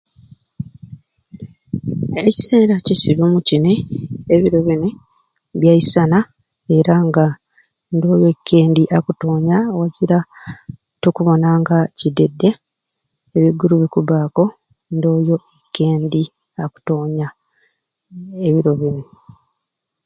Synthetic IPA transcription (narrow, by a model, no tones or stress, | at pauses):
e̞ci̥se̞ːɾacisiɾumucineeβiɾo̞βine | βjaisana | e̞ɾaŋɡa | ndo̞ːjo̞ekʰːe̞ːndiʔakuto̞ːɲawaziɾa | tokuβo̞naŋɡacidːe̞dːe̞ː | βiɡːuɾuβikuβaːko̞ | ndo̞ːjo̞ʔekːe̞ːndi | aku̥to̞ːɲa | eβiɾo̞βine